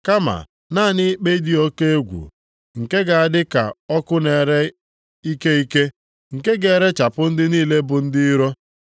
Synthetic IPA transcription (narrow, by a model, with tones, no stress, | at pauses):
ka˦ma̰˨ | naː˦˨nɪ˦k͡pe˦i˦di˦o˦ke˦e˦ɡʷṵ˨ | ŋ̩˨ke˦ɡa˨a˨dɪ˦ka̰˨ɔ˦kʊ˦ne˨ɾe˦ | i˦ke˦i˦ke˦ | ŋ̩˨ke˦ɡe˨ɾe˦t͡ʃa˨pʊ˦n̩˦dɪ˦niː˦˨le˦bʊ˨n̩˦dɪ˦ɾo˦